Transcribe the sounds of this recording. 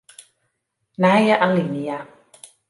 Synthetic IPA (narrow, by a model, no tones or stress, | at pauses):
najaʔalinija